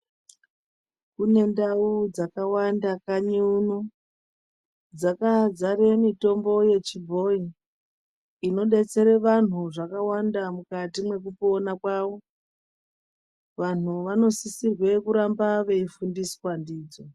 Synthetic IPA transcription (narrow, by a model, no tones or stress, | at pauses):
kune̞ndaud͡zakawandakaɲiuno | d͡zakad͡zare̞mito̞mbo̞je̞t͡ʃibʱo̞i | no̞ɗe̞t͡se̞ɾeʋan̤uʐakawandamukatimwe̞k̬upo̞nakwaʋo̞ | ʋan̤uʋano̞sisirwe̞kuɾambaʋe̞ifundiswandiːd͡zo